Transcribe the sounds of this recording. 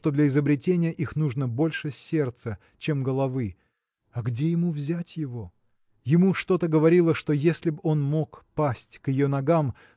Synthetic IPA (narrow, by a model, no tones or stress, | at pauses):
t̪od̪lʲɐɪzəbɾʲɪtʲenʲɪjəʔixnuʐnəbo̞lʲʂɨsʲe̞rt̪sə | t͡ɕe̞mɡəlˠɐvɨ | ɐɡdʲejɪmuvzʲætʲjɪvo̞ | jɪmuʂt̪o̞t̪əɡəvɐɾʲilˠəʂt̪o̞jesʲlʲɪbo̞nmo̞kpasʲtʲkjɪjo̞nɐɡam